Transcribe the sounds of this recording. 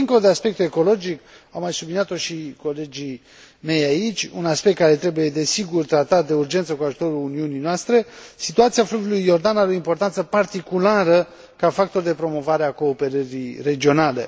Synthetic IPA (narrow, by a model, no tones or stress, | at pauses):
iŋko̞lod̪e̞aspe̞k̚t̪eeko̞lo̞d͡ʒik | awmajsublinijat̪o̞ʃiko̞le̞d͡ʒi | me̞jait͡ʃʲunaspe̞k̚t̪kaɾe̞t̪ɾe̞buje̞d̪e̞siɡurt̪ɾat̪at̪̚d̪e̞urd͡ʒent̪səkuaʒut̪o̞ɾuluniunijnoast̪ɾe̞sit̪uat̪siafluvulujːo̞rd̪anaɾeo̞impo̞rt̪ant̪səpart̪ikulaɾə | kafak̚t̪o̞rd̪e̞pɾo̞mo̞vaɾeako̞ːpe̞ɾəɾire̞d͡ʒio̞nale̞̰